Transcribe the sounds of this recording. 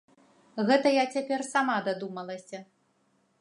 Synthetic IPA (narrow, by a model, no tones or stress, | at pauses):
ɣɛt̪ɐjat͡sʲapʲɛrsamad̪ad̪umɐlˠɐsʲɐ